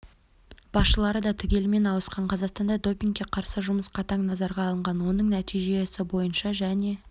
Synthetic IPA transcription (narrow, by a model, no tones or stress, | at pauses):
b̥ɑsʃəlˠɑɾəd̪ɑt̪ʰʏɡʲe̞lɪme̞nɑwəsqɑɴqʰɑzɑqst̪ɑnd̪ɑd̪o̞pʲiŋk̚kʲːe̞qʰɑɾsəʒʊməsqɑt̪ʰɑŋnɑzɑɾʁɑːlˠəɴʁɑnwo̞nəɴnæt̪ijʒe̞sɪbo̞jənʃɑʒæne̞